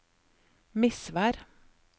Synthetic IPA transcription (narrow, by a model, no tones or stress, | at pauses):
mɪsʋæːɾ